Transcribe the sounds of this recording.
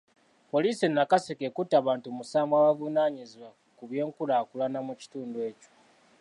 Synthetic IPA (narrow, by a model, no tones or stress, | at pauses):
po̞liːsinːakasekekutːaβaːntumusaːŋɡwaβavunaːɲiziwa | kuβje̞ːŋkulaːkulanamuci̥tuːndwe̞ːco̥